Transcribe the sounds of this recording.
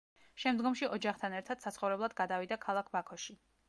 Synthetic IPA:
ʃɛmd̪ɡɔmʃiʔɔd͡ʒaχt̪ʰanɛɾt̪ʰad̪̥sat̪sʰχɔvɾɛblˠad̪ɡad̪avid̪akʰalˠak̚ʰbakʰɔʃi

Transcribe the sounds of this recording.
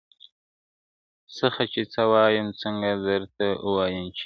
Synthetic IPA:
səxat͡ʃet͡sawɑjəmt͡səŋɡad̪əɾt̪aəwɑjəmt͡ʃ

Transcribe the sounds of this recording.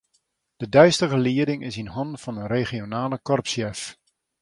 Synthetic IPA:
d̥ədœɥstəɣəliədɪŋɪsinhɔnfɑnənreχionaːləkɔrpsjɛf

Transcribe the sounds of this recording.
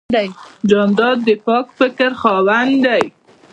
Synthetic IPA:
ajd͡ʒɑnd̪ɑd̪ːəpɑkfɪkəɾxɑwand̪aj

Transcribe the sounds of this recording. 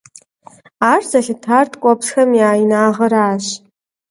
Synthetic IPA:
aːrzɐɬɨtʰaːrtʰkʷʼɔpsxɐmjaːjinaːʁɐɾaːɕ

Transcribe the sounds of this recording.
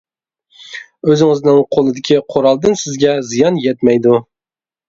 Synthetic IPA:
øzɪŋɪznɪŋqʰolˠɪd̪ɪkʲʰiqʰoɾɑlˠd̪ɨnsɪzɡʲɛzijɑnjɛt̪mæjd̪u

